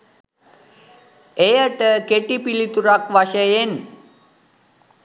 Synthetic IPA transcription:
ejəʈəkeʈipilit̪uɾakʋaʃəjen

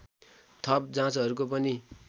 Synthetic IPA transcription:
t̪ʰʌp̚d͡zãt͡sɦʌɾukop̬ʌni

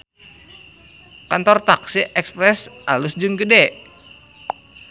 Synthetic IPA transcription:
kant̪ɔrt̪aksiʔɛkspɾɛsʔalʊsd͡ʒɨŋɡədɛ

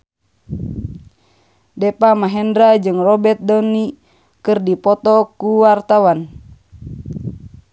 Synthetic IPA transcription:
dɛpamaɦɛndɾad͡ʒɨŋrɔbɛt̪̚dɔni | kɨrdipɔt̪ɔkuwart̪awan

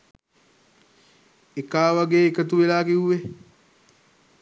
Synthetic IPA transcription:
ekaːʋaɡeːikət̪uʋelaːkiuwe

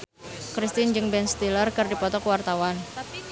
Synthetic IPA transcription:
kɾist̪ɪnd͡ʒɨŋbɛnst̪ilərkərdipɔt̪ɔkəwart̪awan

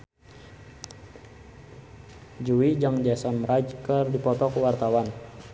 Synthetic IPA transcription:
d͡ʒuwid͡ʒaŋd͡ʒɛsɔmrad͡ʒkərdipɔt̪ɔkəwart̪awan

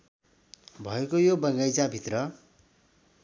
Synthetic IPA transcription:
bʱʌekojobʌŋɡʌjt͡sabʱit̪rʌ

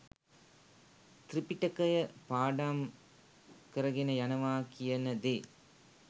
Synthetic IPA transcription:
t̪ripiʈɐkɐjɐpaːɖaːm | kɐɾɐɡinɐjɐnɐʋaːkijɐnɐd̪eː

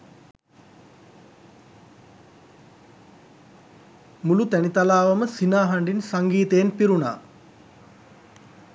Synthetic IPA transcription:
mulut̪ænit̪alaːʋaməsinaːɦaɳɖinsaŋɡiːt̪eːnpiɾuna̰ː

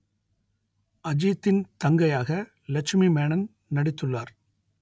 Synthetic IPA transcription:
ɐd͡ʒiːt̪ːɪnt̪ɐŋɡɐjaːɣɐ | lɐkʂmimeːɳɐn | nɐɽɪt̪ːɯɭːaːɾ

